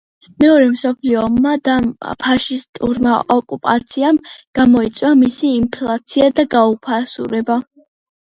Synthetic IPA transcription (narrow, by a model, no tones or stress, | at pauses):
mɛɔɾɛmsɔpʰliɔmːad̪apʰaʃist̪ʼṵɾmaʔɔkʼupʼa̰t̪sʰiamɡ̥amɔit̪sʼwamisiːmpʰlat̪sʰiad̪aɡaupʰasṵɾɛba